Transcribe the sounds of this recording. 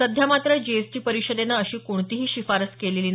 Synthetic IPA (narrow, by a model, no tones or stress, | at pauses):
əd̪ʱjamat̪ɾəd͡ʑeesʈiːpəɾiɕəd̪enːaəɕiːkoɳt̪iɦiːɕifaɾət͡skeleliːn